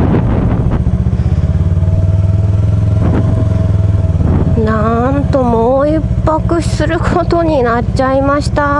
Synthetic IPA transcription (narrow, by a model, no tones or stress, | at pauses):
nãnt̪o̞moipːakɯ̟̥sɨɾɯ̟kʰo̞t̪o̞ɲ̟inat͡ɕaimaɕi̥t̪a